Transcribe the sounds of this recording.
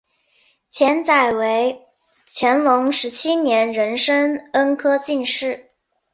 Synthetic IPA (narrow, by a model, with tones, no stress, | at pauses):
t͡ɕʰjɛ˧˥nt͡sa˥˩ɪwe˧˥ɪ | t͡ɕʰjɛ˧˥nlʊ˧˥ŋʂɻ̩˧˥t͡ɕʰi˥njɛ˧˥nɻə˧˥nʂə˥ŋə˥nkʰɤ˥t͡ɕi˥˧nʂɻ̩˥˩